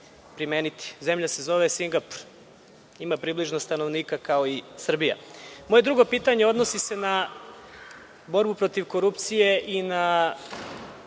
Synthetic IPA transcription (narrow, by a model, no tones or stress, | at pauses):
pɾimeːnit̪i̥ze̞mʎase̞zo̞ʋesiŋɡapu̥ɾ | imapɾibliʒnost̪ano̞ʋniːkakao̞isr̩bija̰mo̞je̞d̪ɾuɡo̞piːt̪aɲe̞o̞d̪no̞sise̞na | bo̞ɾbupɾo̞t̪iʋko̞ɾupt̪sije̞ʔina